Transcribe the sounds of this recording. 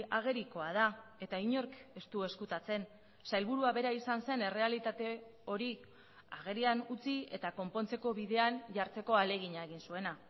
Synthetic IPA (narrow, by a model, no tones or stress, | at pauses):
aɣ̞e̞ɾiko̞að̞ae̞t̪aiɲo̞ɾke̞st̪ue̞skut̪at͡se̞n | sajlβuɾuaβe̞ɾaisanse̞ne̞re̞alit̪at̪e̞o̞ɾi | aɣ̞e̞ɾianut͡sie̞̰t̪ako̞mpo̞nt͡se̞ko̞βiðe̞anʝaɾt͡se̞ko̞ale̞ɣ̞iɲae̞ɣinsue̞na